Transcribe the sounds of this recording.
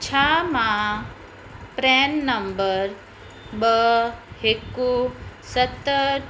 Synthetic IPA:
t͡ʃʰamã | pɾɛnːəmbəɾ | bəekːusət̪ːə

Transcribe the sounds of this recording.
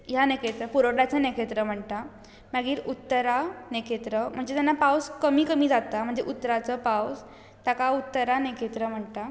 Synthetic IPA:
janekʰet̪ɾəpuɾoɽat͡sənekʰet̪ɾəm̤əɳt̪a | maɡiːɾut̪ːəɾanekʰet̪ɾəm̤əɳd͡zet̪janːapawskəmiːkəmiːd͡zat̪am̤əɳd͡zeʔut̪ːəɾat͡səpaws | t̪akaut̪ːəɾanekʰet̪ɾəm̤əɳt̪a

